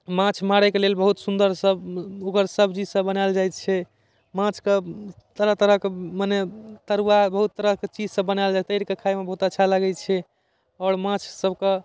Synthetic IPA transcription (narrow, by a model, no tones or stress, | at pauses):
mãt͡ʃʰmaɽekelelbəɦut̪sund̪əɾsəbokəɾsəbʱd͡ʒid͡ʒsə̃bːənajld͡ʒaj̪t͡ʃʰɛ | mãt͡ʃʰke | t̪əɾət̪əɾəkemanet̪əɾuwabəɦut̪ːəɾəɦket͡ʃid͡ʒsəbbənald͡ʒat̪əɪɾkekʰajmebəɦut̪ətːʃʰaləɡɛt͡ʃʰɛ | ɔɾmãt͡ʃʰsəbʱke